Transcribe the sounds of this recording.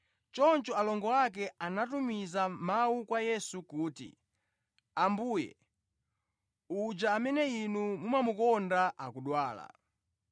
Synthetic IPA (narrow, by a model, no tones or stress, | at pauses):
t͡ʃɔnt͡ʃɔalɔŋɡɔak̬ɛanatumizamaukwajɛsukuːtḭ | ambuːjɛ̰ | ud͡ʒaːmɛnɛinumumamukɔndaʔakuɗwaːla̰